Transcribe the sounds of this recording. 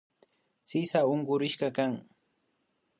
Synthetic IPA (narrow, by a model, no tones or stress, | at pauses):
sɪsaʊɴɢʊɾɪʃkɑkaŋ